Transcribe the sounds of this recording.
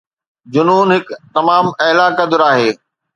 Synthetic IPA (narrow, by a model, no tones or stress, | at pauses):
d͡ʑʊnuːnɦɪkt̪ɐmaːmɐːlaːkɐd̪ʊɾaːɦeː